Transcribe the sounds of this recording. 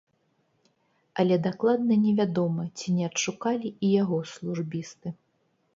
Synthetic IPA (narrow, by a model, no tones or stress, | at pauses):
ɐlʲɛd̪aklˠad̪̚nɐnʲɛvʲad̪ɔmɐt͡sʲinʲɛɐtʂukalʲiijaɣɔslˠuʐbʲist̪ɨ